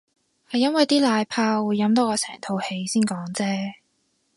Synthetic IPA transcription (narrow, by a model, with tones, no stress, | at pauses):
hɐ˨jɐ˥nwɐ˨jt̪iː˥laː˧jpʰaː˧wuː˨˧jːɐ˨˥mt̪̬ɔː˥kɔː˧sɛ̰ː˨˩ŋt̪ʰo˧whe˧jsiː˥nkɔː˨˥ŋt͡sɛː˥